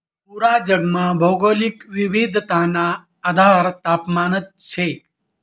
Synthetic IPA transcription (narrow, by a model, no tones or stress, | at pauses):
puɾad͡ʒəɡmãbʱəwɡolikʋiʋid̪ʱt̪anaː | d̪ʱaɾt̪apmaːnət̪̚t͡ʃʰe